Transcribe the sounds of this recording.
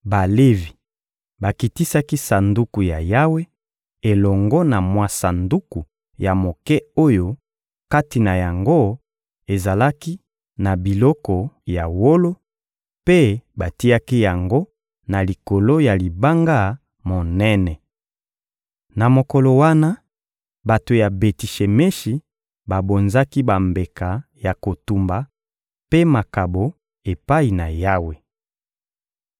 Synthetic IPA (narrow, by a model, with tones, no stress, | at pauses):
ba˨le˦vi˨ | ba˨ki˨ti˦sa˦ki˦sa˨ndu˦ku˨ja˨ja˦we˦ | e˨lɔ˨ŋɡɔ˦na˨mwa˦sa˨ndu˦ku˨ | ja˨mo˨kɛ˦o˦jo˦ | ka˦ti˨na˨ja˨ŋɡo˦ | e˨za˨la˦ki˦ | na˨bi˨lɔ˦kɔ˨ja˨wo˦lo˦ | pe˦ba˨ti˦a˦ki˦ja˨ŋɡo˦ | na˨li˨ko˨lo˦ja˨li˨ba˦ŋɡa˦ | mo˨nɛ˦nɛ˨ | na˨mo˨ko˨lo˨wa˦na˦ | ba˨to˨ja˨be˨ti˨ʃe˨me˦ʃi˨ | ba˨bo˨nza˦ki˦ba˨mbe˨ka˨ja˨ko˨tu˨mba˨ | pe˦ma˨ka˨bo˨ | e˨pa˦i˨na˨ja˦we˨